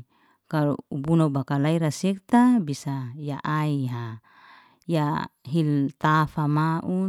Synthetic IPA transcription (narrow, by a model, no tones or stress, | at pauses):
kalṵubunaubakalaiɾasɛk̚t̪abisajaʔaiɦa | jaɦilt̪afamaʔu